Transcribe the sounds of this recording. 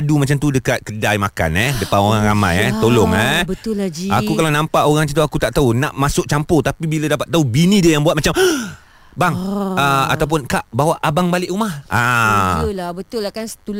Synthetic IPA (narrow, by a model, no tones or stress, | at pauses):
dumat͡ʃamt̪udəkat̪̚kədajmaka̰nɛhdəpanoɾaŋɾama̰jɛht̪olʊŋɛbət̪ʊlad͡ʒiakukalanãmpaʔoɾaŋt͡ʃat̪uakut̪aʔt̪aunaʔmasʊk̚t͡ʃampʊt̪apibiladapat̪ːaubinĩdəjaŋbwat̪̚mat͡ʃam | baŋəa̰t̪awp̬ʊnkaʔbawaʔabaŋbalɪʔɾumahʔa | labət̪ʊlakansə̥t̪u